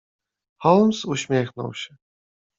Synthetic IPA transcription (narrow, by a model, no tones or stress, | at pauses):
hɔlˠmsuɕmʲjɛxnɔ̰wɕɛ